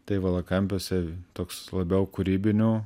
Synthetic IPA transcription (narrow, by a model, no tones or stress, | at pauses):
t̪ɐɪʋɐlˠɐkɐmʲpʲoːsʲɛt̪oːkslˠɐbʲɛʊkʊɾʲiːbʲɪnʲuː